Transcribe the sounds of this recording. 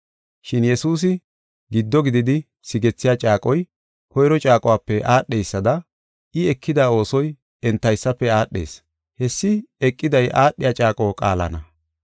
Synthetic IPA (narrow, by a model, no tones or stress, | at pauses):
ʃɪnjɛsuːs̬ɪ | ɡɪd̪ːɔɡɪd̪ɪd̪ɪ | sɪɡɛt͡sːɪjat͡ʃʼaːkʼɔj | kɔjɾɔt͡ʃʼaːkʼɔwaːpːɛʔaːɗːejsːɐd̪ɐ | ɪɛkʰːɪd̪aːo̞ːsɔj | ɛnt̪ːɐjsːɐpːɛaːɗːe̞̰ːs | hɛsːɪɛkʼːɪd̪ɐjʔaːɗːɪjat͡ʃʼaːkʼoːkʼa̰ːlɐ̰nɐ